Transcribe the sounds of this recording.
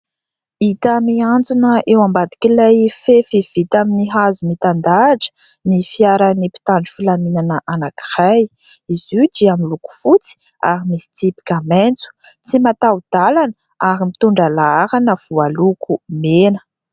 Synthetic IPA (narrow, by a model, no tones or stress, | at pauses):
it̪amiand͡zunəʔewambad̪i̥kilajfefiv̥it̪aminiɦazumit̪and̪aʈ͡ʂə̥ | nifiaɾanipi̥t̪aɳɖ͡ʐi̥filaminanəʔanaki̥raj | izudiamiluku̥fut͡si̥ | a̰ɾimisi̥t̪ipi̥kʲament͡su̥t͡simat̪awd̪̥alanə | aɾimit̪uɳɖ͡ʐalaaɾanəv̥ualukʰumenə̥